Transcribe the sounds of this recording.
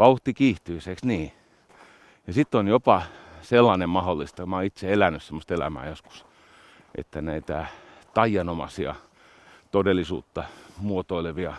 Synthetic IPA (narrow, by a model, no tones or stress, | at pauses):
ʋɑuht̪ikiːht̪yiseksniː | jɑsit̪ːonjopɑselːɑnemmɑholːist̪ɑmɑːit̪seelænːyssemːost̪elæ̰mæ̰ːjosku̥s | ʔḛt̪ːænæit̪æ | t̪ɑijɑnomɑ̰siɑ̰ | t̪odelːˑisṵːt̪ːɑmuot̪oileʋiɑ